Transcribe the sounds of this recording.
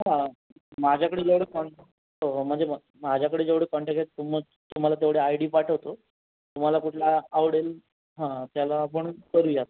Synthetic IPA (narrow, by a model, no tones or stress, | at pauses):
ɦã | mad͡ʑʱjakəɽed͡zeʋɽekɔɳʈe | oɦm̤əɳd͡ze | mad͡ʑʱjakəɽeːd͡zeʋɽeːkɔɳʈekt̪um | t̪um̤alat̪̬eʋɽeajɽiːpaʈʰəʋt̪o | t̪um̤alakuʈʰlaːʋɽel | ɦãt̪jalaːp̬əɳkəɾuːjat̪a